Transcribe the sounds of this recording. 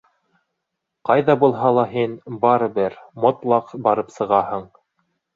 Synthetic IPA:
qɑjðɑbulˠɦɑlˠɑɦinbɑɾɤ̆bɘɾmŏt̪lˠɑqbɑɾɤpsɤ̆ʁɑhɤɴ

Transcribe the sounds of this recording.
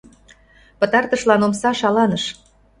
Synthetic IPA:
pə̆t̪ɑrt̪əʃlɑnomsɑʃɑlɑnəʃ

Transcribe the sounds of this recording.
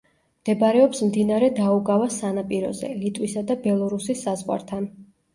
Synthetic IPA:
md̪̥ɛbaɾɛɔpsmd̪inaɾɛd̪auɡavasanapʼiɾɔ̰zɛ̰lit̪ʼwisad̪abɛlˠɔɾusisːazʁwa̰ɾt̪ʰan

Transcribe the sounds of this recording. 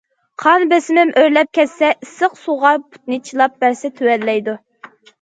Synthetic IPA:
qʰɑnbesɪmɪmʔøɾlɛp̚kʲʰɛsːɛʔisəqsuʁɑɾpʰu̥t̪̚nɨt͡ʃʰilˠɑp̚bæɾsɪt̪ʰøwɛlːɛjd̪u

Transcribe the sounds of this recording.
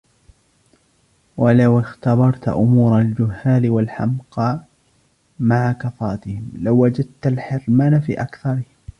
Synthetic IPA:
walawɪxt̪ɑbɑɾˤt̪ʔʊmuːɾˤald͡ʒʊhːaːlɪwalħa̰mqɑː | maʕakɑθɑːt̪ɪhɪmlawːad͡ʒad̪̚t̪alħɪɾmaːnafḭːʔakθɑɾˤɪh

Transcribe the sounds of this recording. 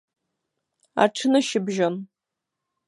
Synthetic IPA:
a̰ʈ͡ʂʰɨnɨʃɪbʒon

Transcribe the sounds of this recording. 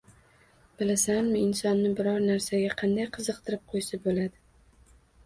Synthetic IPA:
b̥ɪlasanmɪɪnsɒnːɪbɪɾɒɾnaɾsaɡʲaqʰɑnd̪ajqʰɨzɨqt̪ʰɪɾɪp̚qʰojsabolad̪ɪ

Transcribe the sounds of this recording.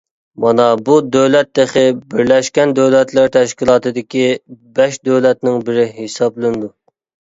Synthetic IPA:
mɑnɑbud̪øwlɛt̪ːeχɪbɪɾlɛʃkʲɛnd̪øwlɛt̪lɪɾt̪ʰɛʃkʲilˠɑːt̪ɨd̪ɪkʲibɛʃd̪øwlɛt̪nɪŋbɪɾɪɦesɑblˠɨnɨd̪u

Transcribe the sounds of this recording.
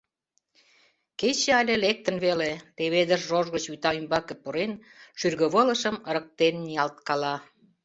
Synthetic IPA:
ket͡ɕeɑlʲelek̚t̪ənβelet̪eβed̪əʃʒoʒɣət͡ɕyt̪ɑymbɑkĕpuɾenʃyrɣə̆βələ̆ʃəməɾə̆k̚t̪enːiɑlt̪̚kɑlɑ

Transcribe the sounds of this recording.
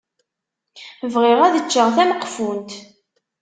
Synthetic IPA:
vʁɪʁæðət͡ʃːəʁθæməqːfunt̪

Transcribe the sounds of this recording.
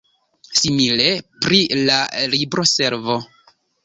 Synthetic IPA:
simile̞pɾilalibɾo̞se̞ɾvo̞

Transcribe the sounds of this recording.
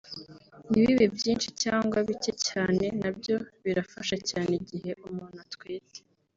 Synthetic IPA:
niβiβevjiːnʃicaːŋɡwaβitecaːne̞nab̚jo̞βiɾafaʃacaːneɟihe̞ʔumuːn̥atwiːte̥

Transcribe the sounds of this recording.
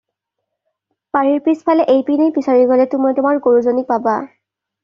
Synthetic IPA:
paɹiɹpispʰalɛʔejpinejpisaɹiɡɔlɛtʊmɔtʊmaɹɡoɹuzonik̚paba

